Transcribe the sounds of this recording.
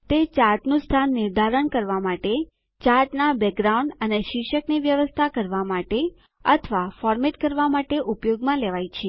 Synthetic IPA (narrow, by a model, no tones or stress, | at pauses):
t̪et͡ʃaɾʈnũst̪ʰanːɪɾd̪ʱaɾəɳkəɾʋamaʈe | t͡ʃaɾʈnabɛk̚ɡɾauɳɖəneʃɪkʃəkniʋjəʋəst̪ʰakəɾʋamaʈe | ət̪ʰəʋafɔɾmeʈkəɾʋamaʈeʔupjoɡmãleʋajt͡ʃʰe